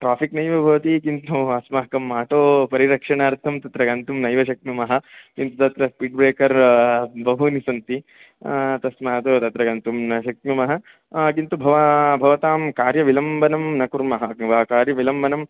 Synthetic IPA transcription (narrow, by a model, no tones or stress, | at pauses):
ʈɾaːpiknɐjʋɐbʱɐʋɐt̪ikint̪ʰuɐsmɐɦɐkɐmːaːʈoːpɐɾiɾɐkʂɐɳaːɾt̪ʰɐmt̪ɐt̪ɾɐɡɐnt̪umnɐjʋɐʃɐkmumɐɦɐ̆kint̪ut̪ɐt̪ɾɐspiːʈ̚bɾeːkɐɾbɐɦunisɐnt̪i | t̪ɐsmɐɦɐt̪ut̪ɐt̪ɾɐɡɐnt̪umnɐʃɐk̚mumɐɦɐ̆ | kint̪ubʱɐʋabʱɐʋɐt̪aːmkaːɾjɐʋilɐmbɐnɐmnɐkuɾmɐɦɐʋaːkaːɾjɐʋilɐmbɐnɐm